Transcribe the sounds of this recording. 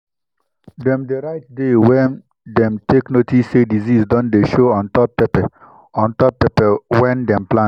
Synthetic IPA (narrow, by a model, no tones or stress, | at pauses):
dɛ̃mdeɾaɪt̚dewɛn | dɛ̃mtʰeknotisːedizisdɔ̃ndeʃoɔ̃ntɔppɛpɛ | ɔ̃ntɔp̚pɛpɛwɛ̃ndɛ̃mplã